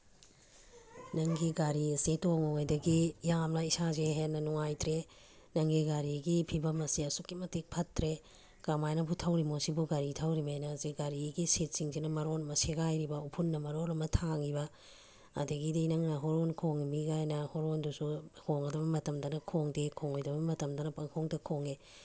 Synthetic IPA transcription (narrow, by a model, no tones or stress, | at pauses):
nɐŋɡiɡaɾiɐsitoŋoŋajdɐɡijamnɐisazeɦenɐnuŋajtɾe | nɐŋɡiɡaɾiɡipʰibɐmɐsiɐsukːimɐtik̚pʰɐtːɾe | kamajnɐpʰutʰɐwɾimosibuɡaɾitʰawɾimajnɐziɡaɾiɡiset̚siŋzinɐmɐɾonɐmɐseɡajɾibɐupʰunːɐmɐɾonɐmɐtʰaŋibɐ̰ː | dɐɡidijnɐŋnɐɦoɾonkʰoŋimiɡajnɐhoɾondusuhoŋɐdɐbɐmɐtɐmdɐnɐkʰoŋdekʰoŋojdɐbɐmɐtɐmdɐnɐpɐŋkʰoŋdɐkʰoŋe